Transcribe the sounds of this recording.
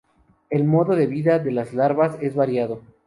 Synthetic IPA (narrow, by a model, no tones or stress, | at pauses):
e̞lmo̞ðo̞ðe̞βiðaðe̞lazlaɾβase̞zβaɾjaðo̞